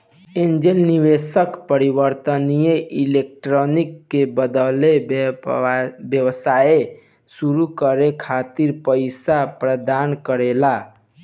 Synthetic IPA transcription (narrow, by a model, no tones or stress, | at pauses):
ẽnd͡ʒelniʋesəkpəɾibəɾt̪ənijeʔilek̚ʈɾɔnikːebəd̪əle | bjəwsae | suɾukəɾekʰat̪iɾpəɪsapɾəd̪ankəɾela